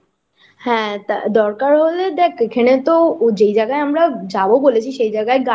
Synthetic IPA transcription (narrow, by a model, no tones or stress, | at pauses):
hɛ̃ːt̪d̪ɔɾkaɾɦoled̪eːkʰkʰeɽ̃ẽt̪od͡ʒeid͡ʒəɡaeɦɐmɾad͡ʒaːboboːlet͡ʃʰiʃeid͡ʒəɡaeɡa